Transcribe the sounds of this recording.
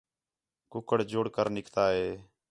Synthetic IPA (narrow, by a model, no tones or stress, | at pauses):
kʊkəɽd͡ʒʊɽkəɾnɪkʰt̪aːɦeː